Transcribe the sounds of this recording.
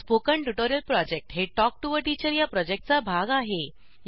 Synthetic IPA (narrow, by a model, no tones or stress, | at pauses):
pokəɳʈuʈoɾjəlpɾɔd͡ʑek̚ʈɦeʈɔk̚ʈuʋəɾʈit͡ɕəɾjapɾɔd͡ʑek̚ʈ̚t͡sabʱaɡaɦe | j